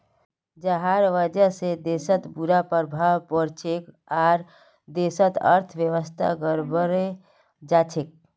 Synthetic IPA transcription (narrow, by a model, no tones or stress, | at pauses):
d͡ʒəɦaɾʋəd͡ʒəsed̪esət̪buɾapəɾbʱawpəɾt͡ʃʰek | aːɾ | d̪esət̪ə̰ɾt̪ʰʋjəʋəst̪ʰa̰ɡəɾbəɾe | d͡ʒat͡ʃʰek̚